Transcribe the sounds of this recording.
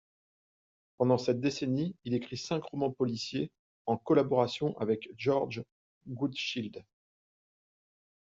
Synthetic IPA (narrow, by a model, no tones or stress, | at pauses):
pɑ̃d̪ɑ̃sɛt̪̚d̪eseniilekχisɛ̃kʁɔmɑ̃pɔlisje | ɑ̃kɔlabɔʁasjɔ̃ʔavɛkʒɔʁd͡ʒ | ɡud̪ʃild̪